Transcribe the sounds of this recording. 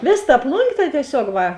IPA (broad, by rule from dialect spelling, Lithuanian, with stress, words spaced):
ˈʋʲeːs tɐ ˈplˠʊŋʲɡʲeː tɐ tʲiɛˈsʲoːk ˈʋɐ